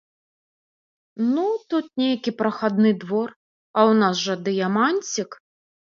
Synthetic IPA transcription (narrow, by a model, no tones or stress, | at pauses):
nut̪ut̪̚nʲejkʲipɾɐxad̪nɨd̪vɔr | ɐwnasʐɐd̪ɨjamanʲt͡sʲik